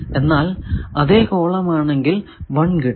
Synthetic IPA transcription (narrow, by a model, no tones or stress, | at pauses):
e̞nːaːlɐðeːko̞ːɭɐmaːɳe̞ŋɡilʋɐɳkiʈː